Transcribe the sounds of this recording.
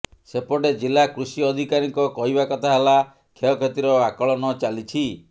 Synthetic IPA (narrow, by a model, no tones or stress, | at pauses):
sepɔɽed͡ʒilakɾusiɔd̪ʱikaɾiŋkɔkɔɦibakɔt̪ʰaɦela | kʰeɔkʰet̪iɾɔakɔɭɔnɔt͡ʃalit͡ʃʰi